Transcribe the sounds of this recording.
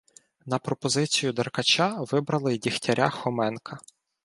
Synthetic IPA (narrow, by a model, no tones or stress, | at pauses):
nɐpɾɔpɔzɪt͡sʲijʊd̪ɐrkɐt͡ʃaʋɪbɾɐlˠɪdʲixtʲɐɾʲʔaxɔmɛnkʰɐ